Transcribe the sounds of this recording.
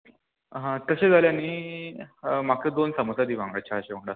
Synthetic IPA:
ɦãt̪əɕed͡zʱaljaniː | maked̪onsəməsad̪iːʋãŋɡɭat͡ɕʰaɦəɕeʋəɳɖa

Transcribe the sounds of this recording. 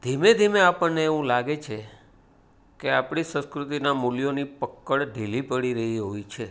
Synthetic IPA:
d̪ʱimed̪ʱimeapəɳneːʋũlaɡet͡ʃʰe | keapɳ̃isə̃skɾut̪inamuljonipəkːəɭɖʱilipəɽiɾəɦiɦoit͡ʃʰe

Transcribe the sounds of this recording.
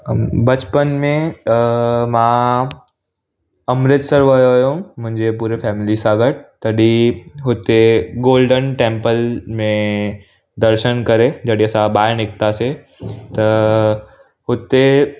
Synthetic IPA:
bɐt͡ʃpənmẽ | mã | ɐmɾɪt̪səɾʋɐjoɦjõmʊ̃ɦɪ̃ɲd͡ʑepuːɾepʰɛːmɪlisãɡəʈ̚t̪ɐɗiɦʊt̪eɡoːlɖənʈẽːmpəlmẽ | d̪ɐɾʃənkɐɾed͡ʑɐɽiɐsãbaːɪɾnɪk̚t̪ase | t̪ɐ | ɦʊt̪e

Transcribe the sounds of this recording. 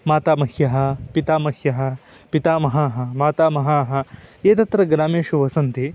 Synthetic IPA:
maːt̪aːmɐhjɐɦɐ̆pit̪aːmɐhjɐɦɐ̆ | pit̪aːmɐɦaːɦɐ̆maːt̪aːmɐɦaːɦɐ̆eːt̪ɐt̪ɾɐɡɾaːmeːʃuʋɐsɐnt̪i

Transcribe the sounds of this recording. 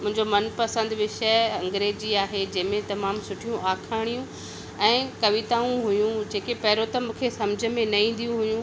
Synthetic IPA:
mʊ̃ɦɪ̃ɲd͡ʑomɐnpɐsə̃nd̪ʋɪʃəɐ̃ŋɡɾeːd͡ʑiaːɦed͡ʑɐ̃ɦɪmẽt̪ɐmaːmsʊʈʰijũʔaːkʰaːɽ̃ijũ | ɛ̃ːkɐʋit̪aːũɦʊjũd͡ʑeːkepɐɦɾot̪ɐmũːkʰesɐmd͡ʑʱə̆mẽnɐĩːn̆d̪ijũɦʊjũ

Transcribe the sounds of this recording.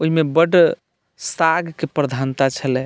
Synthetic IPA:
oimebəɖ | saɡkepɾəd̪ʱant̪at͡ʃʰəlɛ

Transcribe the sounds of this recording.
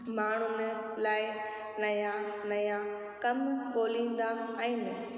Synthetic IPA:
maːɳ̤ʊnlaːɪ | nɐjãnɐjã | kɐmkoːlĩːn̆d̪aɛ̃ːnə

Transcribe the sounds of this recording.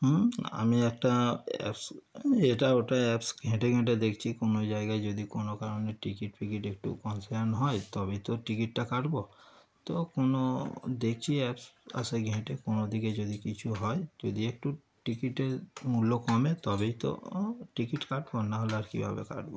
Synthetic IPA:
ɦa̰miɛk̚ʈaɛ̰pseʈaoʈaɛpsɡʱɛ̃ʈeɡʱẽʈed̪ekʰt͡ʃʰikonod͡ʒaeɡaed͡ʒod̪ikonokaɾoneʈikiʈpikiʈek̚ʈṵkɔnsaɾnɦɔjt̪ɔbejt̪ɔʈikiʈːakaʈbo | t̪okonod̪ekʰt͡ʃʰiɛpsa̰seɡʱɛ̃ʈekonod̪ʱiked͡ʒod̪ikit͡ʃʰuɦɔjd͡ʒod̪iek̚ʈu | ʈikiʈeɾmulokɔmet̪ɔbejt̪o̰ʈikiʈkaʈbonaɦolaɾkḭbʱabḛka̰ʈbo

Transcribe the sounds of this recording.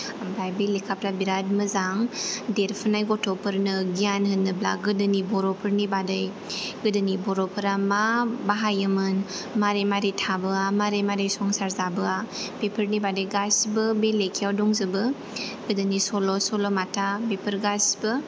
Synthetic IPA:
abajbilikʰapɾabiɾad̚mɯzaŋdeɾpʰɯnajɡɔtʰɔpɯɾnɯɡijanɦɯnːɯbla̰ɡɯdɯnibɔɾɔpʰɯɾnibadɯj | ɡɯdɯnibɔɾɔpʰɯɾamabaɦajɯmɯn | maɾemaɾitʰabɯamaɾejmaɾɯjsɔŋsaɾzabɯapepʰəɾnibadɯjɡasbɯbelekʰijawdɔŋzɯbɯ | ɡɯdɯnisɔlɔsɔlɔmatabepʰəɾɡasbɯ

